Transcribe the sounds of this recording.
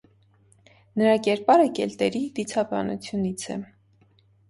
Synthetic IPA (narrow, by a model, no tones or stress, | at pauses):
nəɾɑkɛɾpɑɾəkɛlt̪ɛɾid̪it͡sʰɑbɑ̰nṵt͡sʰjunit͡sʰɛ̰